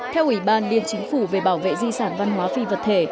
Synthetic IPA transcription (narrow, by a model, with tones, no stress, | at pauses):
t̪ʰɛ˧wʔi˧˩ɓaː˧nli˧˨ənt͡ɕï˨˦ŋ̟fu˧˩ve˨˩ɓaː˧˩wvḛ˧˨zi˧saː˧˩nva˧nɦwaː˨˦fi˧və˨˩t̚t̪ʰe˧˩